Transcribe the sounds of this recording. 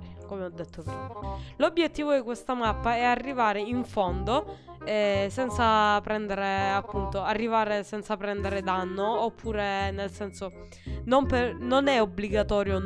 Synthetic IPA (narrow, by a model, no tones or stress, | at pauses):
komeɔd̪ːet̪ʰːopɾimalobːjet̪ːiːvod̪ikwest̪amapːaɛarːivaːɾeiɱfond̪o | ɛsɛnt̪sapɾɛnd̪eɾeapːunt̪oarːivaːɾesɛnt̪sapɾɛnd̪eɾed̪anːoːpʰːuːɾenelsɛnso | nompernonɛobliɡat̪ɔːɾjo